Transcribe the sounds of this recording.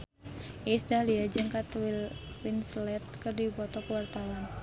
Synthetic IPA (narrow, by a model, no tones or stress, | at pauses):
ʔisdahliad͡ʒɨŋkat̪wil | winslɛt̪̚kərdibɔt̪ɔkəwart̪awan